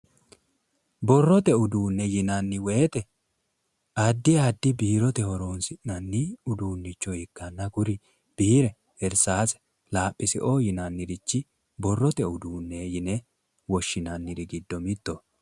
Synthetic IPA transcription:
bɔrːɔt̪ɛʊd̪uːnːɛjɪnɐnːɪweːt̪ɛ | ɐd̪ːɪad̪ːɪbiːɾɔt̪ɛhɔɾoːnsɪʔnɐnːɪʊd̪uːnːɪt͡ʃːɔɪkːɐnːɐɡʊɾɪ | b̥iːɾɛ | ɛɾsaːsɛ̥ | laːpʼːɪsɪ̰ʔojɪnanːɪɾɪt͡ʃːɪ | bɔrːɔt̪ɛʊd̪uːnːɛjɪnɛ | wɔʃːɪnɐnːɪɾɪɡɪd̪ːɔmɪt̪ːo

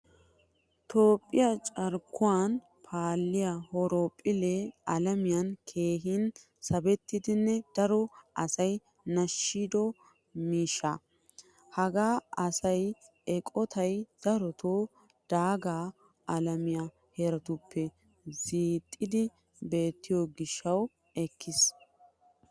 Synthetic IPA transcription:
t̪ʰo̞ːpʼːɪjat͡ʃʼɐɾkːʊwan | pʰaːlːɪjahɔɾoːpʼːɪleɐlɐmɪjɐnkʰe̞ːɦɪn | sɐbɛt̪ːɪd̪ɪnːɛd̪̥ɐɾɔʔɐsɐj | nɐʃːid̪ɔ | miːʃːɐ | hɐɡaːɐsɐj | ɛkʼɔt̪ʰɐjd̪̥ɐɾɔt̪ʰoː | d̪̥aːɡaː | ɐlɐmɪja | hɛɾɐt̪ʊpʰːɛ | ziːt̪ʼːɪd̪ɪ | be̞ːt̪ːɪjoɡɪʃːɐw | ɛkʰːɪs

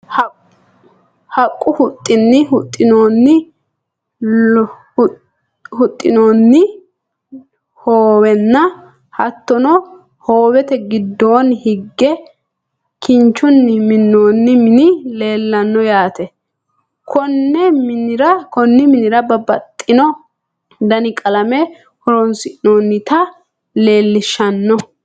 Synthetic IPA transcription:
hɐ | hɐkʼːʊhʊt̪ʼːɪnːɪhʊt̪ʼːɪnoːnːɪ | hʊt̪ʼːɪnoːnːɪ | hoːwɛnːɐ | hɐt̪ːɔnɔ | hoːwɛt̪ɛɡɪd̪ːo̞ːnhɪɡːɛ | kɪnt͡ʃːʊnːɪmɪnːoːnːɪmɪnɪle̞ːlːɐnːɔjaːt̪ɛ | kʰɔnːɛmɪnɪɾɐkɔnːɪmɪnɪɾɐbɐbɐt̪ʼːɪnɔ | d̪ɐnɪkʼɐlɐmɛ | hɔɾɔnsɪʔɪnoːnːɪt̪ɐ | le̞ːlːɪʃːɐnːɔ

